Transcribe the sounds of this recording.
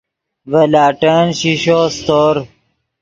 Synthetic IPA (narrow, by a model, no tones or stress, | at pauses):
ʋəlaːʈənɕiɕoːst̪oːɾ